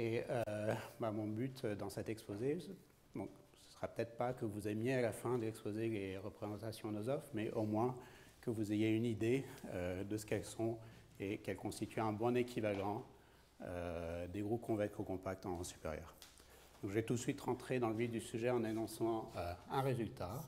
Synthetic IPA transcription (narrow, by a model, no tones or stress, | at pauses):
eøbamɔ̃byt̪d̪ɑ̃sɛt̪ɛkspoze | d̪ɔ̃k | sə̥sə̥ʁapø̥t̪ɛt̪χpakəvuzemjealafɛ̃d̪əlɛkspozeleʁəpχezɑ̃t̪asjɔ̃nozɔfmɛʔomwɛ̃ | kəvuzejeynid̪eød̪əsə̥kɛlsɔ̃ | ekɛlkɔ̃st̪it̪ʰyɛ̃bɔ̃nekʲʰivalɑ̃ | ød̪eɡʁup̚kɔ̃vɛ̃kokɔ̃pak̚t̪ɑ̃sy̥pḛʁjœ̰ːʁ | d̪̥ɔ̃kʒɛt̪ut̪sɥit̪ʁɑ̃t̪χed̪ɑ̃ləvid̪ysyʒɛɑ̃nanɔ̃sɑ̃øɛ̃ʁezylt̪a